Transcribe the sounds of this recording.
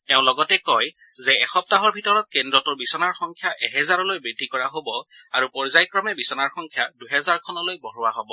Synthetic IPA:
teʊ̃lɔɡɔtɛkɔjzɛɛxɔp̚taɦɔɹbʱitɔɹɔt̚kendɹɔtuɹbisɔnaɹxɔŋkʰjaʔɛɦɛzaɹɔlojbɹidʱikɔɹaɦobɔaɹupɔɹzajkɹɔmɛbisɔnaɹxɔŋkʰjaduɦɛzaɹkʰɔnɔlojbɔɦɔwaɦɔbɔ

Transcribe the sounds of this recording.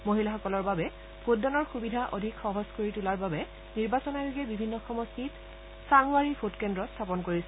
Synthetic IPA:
moɦilaxɔkɔlɔɹbabɛ | pʰot̚dɔnɔɹxubidʱaʔodʱikxɔɦɔskoɹitulaɹbabɛ | niɹbasɔnaloɡɛbibʱinːɔxɔmɔstʰit | sanuwaɹipʰotkɛndɹɔstʰapɔnkoɹisɛ

